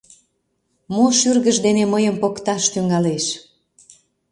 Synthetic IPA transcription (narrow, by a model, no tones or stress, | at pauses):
moʃyrɣəʒd̪eneməjəmpokt̪ɑʃt̪yŋɡɑleʃ